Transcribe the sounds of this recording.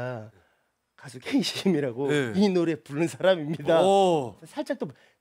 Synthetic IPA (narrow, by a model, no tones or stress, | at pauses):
kasʰokʰeiɕimiɾaɡoinoɾe̞puɭːɯnsʰaɾamimɲidasʰʌsʰaɭt͡ɕ͈akt͈op